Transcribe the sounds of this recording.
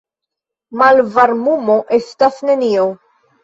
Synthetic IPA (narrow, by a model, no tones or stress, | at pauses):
mɐlvɐɾmumɔʔɪst̪ɐθnɪniːɔw